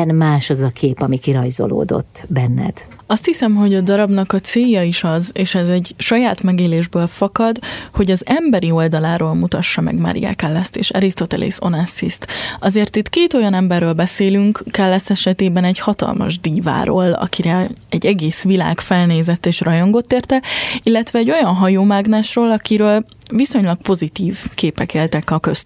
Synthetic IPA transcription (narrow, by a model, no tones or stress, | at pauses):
nmaːʃɒzɒkʰeːpɒmikiɾɒjzo̰lo̰ːd̪o̞̰t̪ːbɛnːɛ̰d̪̥ | ɒst̪hisɛmɦo̞ɟɒd̪ɒɾɒbnɒkɒt̪seːjɒiʃɒzeːʃɛzɛɟʃɒjaːt̪mɛɡeːleːʒbøːlfɒkɒd̪ho̞ɟɒzɛmbɛɾio̞ld̪ɒlaːɾoːlmut̪ɒʃːɒmɛ̰ɡma̰ɾḭja̰kɛlːɛst̪ḛːʃɛɾist̪o̞t̪ɛlḛso̞̰nɛsːḭst̪ɒzeːrt̪it̪keːt̪o̞jɒnɛmbɛrːøːlbɛseːlyŋkkːɛlːɛst̪ɛʃɛt̪eːbɛnɛɟhɒt̪ɒ̰lmɒ̰ʒd̪iːva̰ːɾo̰ːlɒ̰kiɾɛɛɟɛɡeːsʋila̰ːkfɛlneːzɛt̪ːeːʃrɒjo̞ŋɡo̞t̪ːeːrt̪ɛilːɛt̪ʋɛːɟo̞jɒnɦɒjoːmaɡnɛʃroːlɒkiɾøːl | viso̞ɲlɒk̚po̞zit̪iːvkeːpɛkeːlt̪ɛkɒkøst̪